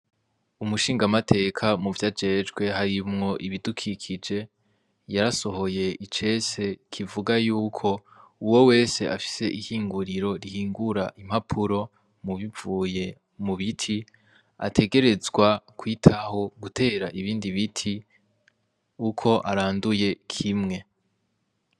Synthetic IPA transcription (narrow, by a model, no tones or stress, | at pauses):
umuʃiːŋɡamatʰe̞ːkʰamuvjad͡ʒe̞d͡ʒɡwe̞ɦaɾimŋo̞ʔiβidukʰikʰid͡ʒe̞ | jaɾaso̞ho̞je̞ʔit͡ʃe̞se̞kʰivuɡajuːkʰo̞uwo̞we̞ːse̞ʔafi̥se̞ʔihiːŋɡuɾiɾo̞ɾihiːŋɡuɾaʔim̥hapʰuɾo̞ | muβivuːje̞ | muβitʰi | a̰tʰe̞ɡe̞ɾe̞zɡwakʰwiːtʰaho̞ɡutʰe̞ːɾaʔiβiːndiβitʰi | ukʰo̞ʔaɾaːnduje̞kʰimŋe̞